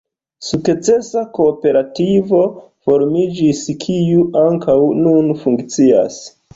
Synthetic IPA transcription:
sukt͡se̞sako̞ːpe̞ɾativo̞ | fo̞ɾmid͡ʒiskʰijuʔaŋkawnunfuŋkt͡sia̰s

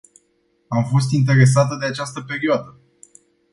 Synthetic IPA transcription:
amfo̞st̪int̪e̞ɾe̞s̬at̪əd̪eat͡ʃast̪əpe̞ɾioad̪ə

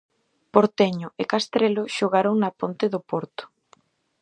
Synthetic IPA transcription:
poɾt̪eɲʊʔekast̪ɾelʊʃoɣaɾoŋnapont̪eðʊpoɾt̪ʊ̥

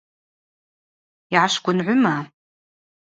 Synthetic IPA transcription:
iʕaʃɡʷʼʊnʕʷʊma

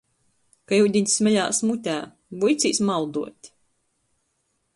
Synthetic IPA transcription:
kajud̪ʲiɲʲsmʲɛʎʲaːsmut̪ʲæː | bujt̪sʲiːsmawd̪uɔt̪ʲ

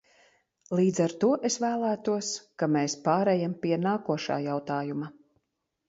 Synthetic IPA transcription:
lˠiːd̪zaɾt̪uɔʔesvæːlˠæːt̪uɔskameːspaːɾɛjampiɛnaːkuɔʃa̰ːjawt̪aːjuma

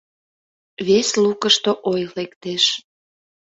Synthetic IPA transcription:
βeslukəʃt̪oʔojlekt̪eʃ

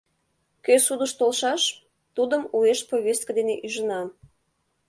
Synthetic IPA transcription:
køsud̪əʃt̪olʃɑʃ | t̪ud̪əmueʃpoβʲest̪̚kəd̪eneʔyʒənɑ

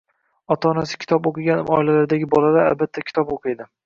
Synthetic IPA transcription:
ɒt̪ʰaːnasɪkʲʰt̪ʰɒpoqɨɡʲanmɒɪlalaɾd̪aɡʲɪbɒlˠad̪aa̰lbat̪ʰːakʲʰɪ̥t̪ʰɒpoqʰɨjd̪ɪ

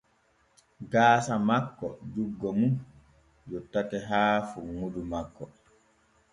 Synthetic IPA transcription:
ɡaːsamakːɔ̰d͡ʒuɡːɔmun | jɔtːatɛɦaːfuŋudumakːɔ

